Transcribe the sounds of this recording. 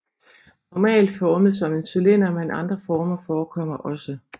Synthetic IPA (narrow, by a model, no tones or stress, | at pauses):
nɒmɛ̰ːld̥fɒːməð̩ˠsɒ̽me̝nsylenɐmenʔɑ̈nd̥ʁɐfɒːmɐfɒːkʰɒ̽m̰ɐʔɒ̽sə